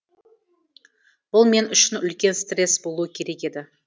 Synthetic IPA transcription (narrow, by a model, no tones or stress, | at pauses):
b̥ʊlˠme̞nʏʃɪnʏlkʲe̞nst̪re̞sbo̞lˠuwəkʲʰe̞ɾe̞kʲe̞d̪ɪ